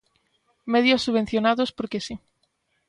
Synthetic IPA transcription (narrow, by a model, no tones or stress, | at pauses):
mɛðjosːuβẽn̟θjonaðospoɾkesi